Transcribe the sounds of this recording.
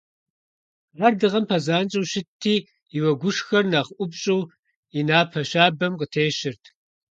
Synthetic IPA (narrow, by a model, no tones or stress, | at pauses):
aːrdɨʁɐmpʰɐzaːnt͡ʃʼɐwɕɪtʰːiː | iwɐɡʷʊʂxɐrnaːχʔʷʊbɕʼɨw | inaːpʰɐɕaːbɐmqətʰeːɕɪrtʰ